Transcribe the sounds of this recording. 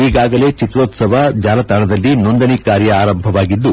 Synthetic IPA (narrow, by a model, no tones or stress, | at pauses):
iːɡaːɡɐle̞ːt͡ʃit̪ɾoːt̪sɐʋɐd͡ʒaːlɐt̪aɳɐd̪ɐlːinond̪ɐnikaːɾjɐaːɾɐmbʱɐʋaːɡid̪ːu